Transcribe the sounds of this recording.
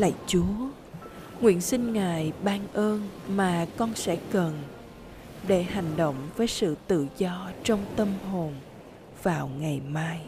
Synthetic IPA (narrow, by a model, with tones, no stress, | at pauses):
la̰˧˨t͡ɕu˨˦ə | ŋwḭ˧˨ənsï˧ŋ̟ŋaː˨˩jɓaː˧nʔəː˧nmaː˨˩kɔ˧nsɛ̰˧˥kə˨˩n | ɗe˧˩ha˨˩jŋ̟ɗo̰˧˨wŋ͡mvəː˨˦jsɨ̰˧˨t̪ɨ̰˧˨zɔ˧t͡ɕɔ˧wŋ͡mt̪ə˧mɦo˨˩n | vaː˨˩wŋa˨˩jmaː˧j